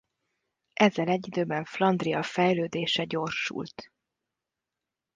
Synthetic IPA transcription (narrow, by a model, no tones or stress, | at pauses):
ʔɛzːɛlɛɟːid̪øːbɛɱflɒnd̪riɒfɛjløːd̪eːʃɛɟo̞rʃṵlt̪